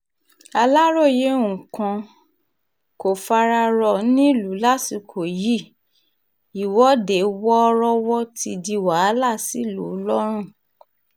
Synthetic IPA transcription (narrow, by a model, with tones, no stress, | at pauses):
a˧la˦ɾo˦˨je˨˦ũ˨kã˧ | ko˨fa˧ɾa˧ɾɔ˧˨˦nĩ˦˨lu˨˦la˦ti˧kʰo˨ji˦˨ | i˨wɔ˨˦de˨wɔ˦˧˦ɾɔ˦wɔ˦ti˧di˧wa˨˦la˦˨si˦lu˨˦lɔ˦ɾ̃ũ˦˨